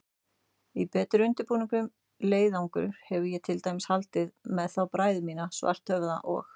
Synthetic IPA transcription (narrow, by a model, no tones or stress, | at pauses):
ipɛːt̪ɾʏʏnt̪ʏɾpuːnɪŋkʏm | leːjðawŋkʏ̰ɾhɛvʏjɛt̪ʰɪlt̪aːjmɪshalt̪ɪðmɛðθawpɾaːjðɪmiːnasva̰r̥t̪hœvða̰ʔɔ̰x